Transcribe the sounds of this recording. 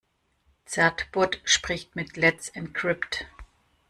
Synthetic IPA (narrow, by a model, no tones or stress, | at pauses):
t͡sɛɐtb̥ʊɐtʃpʁ̥ɪçtmɪtʰlɛt͡sɪnkʰʁ̥ɪpt